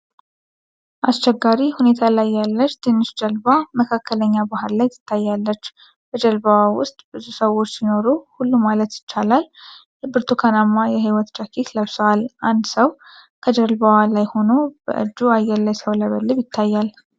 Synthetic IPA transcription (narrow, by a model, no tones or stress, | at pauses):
ʔast͡ʃɛɡːaɾihune̞t̪ʰalajːalːət͡ʃːt̪ʰe̞nːɨʃd͡ʒəlbaməkʰakːələɲːabahɨɾlajt̪ʰɨ̥t̪ʰːajːalːət͡ʃː | b̥əd͡ʒəlbawawʊ̰st̪ʼbɨzusəwːo̞t͡ʃːsino̞ɾuhulːumalət̪jɪt͡ʃːalalt̪ɨbɨɾt̪ʰukʰanamːajɛɦiwɔt̪d͡ʒakʰit̪ləβsəwalʔand̪səwkʰəd͡ʒəɾlbawalajho̞no̞bə̰ʔɨ̰d͡ʒːuajːɛlːajsəwləβəlːɨβjɪt̪ʰːajːal